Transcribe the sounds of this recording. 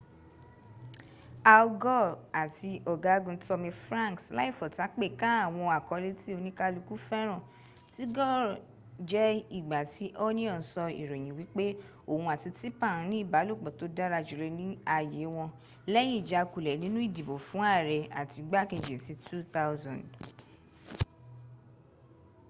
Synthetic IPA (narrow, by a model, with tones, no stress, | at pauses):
a˧ɔ˧ɡɔ˦˨a˨ti˧ɔ˨ɡa˨˦ɡũ˧tɔ˧mĩ˧fɾã˦˨ŋksla˦i˦˨fɔ˨ta˨˦k͡pe˦˨kã˦a˦˨w̃ɔ̃˧a˨kɔ˨˧le˦ti˦o˧nĩ˦ka˧lu˧ku˦fɛ˦ɾ̃ã˦˨ | ti˦ɡɔ˦˨ | d͡ʒɛ˦i˦˨ɡ͡ba˨ti˨˦ʔo˦nĩ˦ɔ˦˨sɔ˧ḭ˨ɾo˨j̃ĩ˨wi˨˦k͡pe˦ | o˦˨hũ˧a˨ti˧ti˦pa˦˨ɾũ˨˦nĩ˦i˦˨ba˨˦lu˦˨k͡pɔ˨to˨˦da˦ɾa˧d͡ʒu˨ɾe˨˧nĩ˦a˦˨je˨˦w̃ɔ̃˧ | lɛ˦j̃ĩ˦˨d͡ʒa˧˨ku˨lɛ˨nĩ˨˦nũ˦i˦˨di˨bo˨fũ˨˦a˦˨ɾɛ˨a̰˨ti˧ɡ͡ba˦ke˨d͡ʒe˨ti˧˦tu˦t̪a˦ʊ˦zɔ̃˨nd